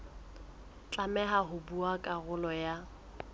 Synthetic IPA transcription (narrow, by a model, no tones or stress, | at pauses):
t͡ɬʼamɛɦaɦʊbuakʼaɣʊlɔja